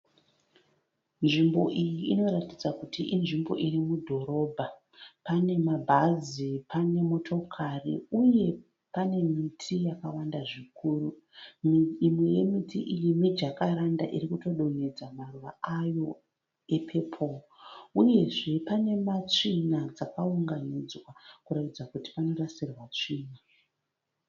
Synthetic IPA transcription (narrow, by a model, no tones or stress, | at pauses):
nʐimbo̞ʔijiːno̞ɾatid͡zakutiʔinʐimbo̞ʔirimudʱo̞ɾo̞bʱa | pane̞mabʱazipʰane̞mo̞tʰo̞kʰarḭuje̞ | pane̞mitʰijakawandaʐikuːru | mimwe̞je̞mitiʔijimid͡ʒakaɾanda̰ʔḭrikuto̞ɗo̞ne̞d͡zamaruʋaajo̞ | e̞pʰe̞pʰo̞ | uje̞ʐe̞pane̞mat͡ʂinad͡zakauŋɡanid͡zwakuɾatid͡zakuti̥pano̞rasirwat͡ʂiːna